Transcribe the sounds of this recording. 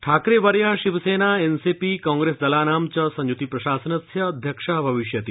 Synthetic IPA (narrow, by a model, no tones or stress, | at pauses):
ʈʰaːkɾeʋɐɾjaːʃiʋseːnaːensipikɔ̃ːŋɡɾesd̪ɐlaːnaːmt͡ɕɐsɐ̃ɲjut̪ipɾɐʃaːsənɐsjɐːd̪ʱjɐkʂabʱɐʋiʃjɐt̪i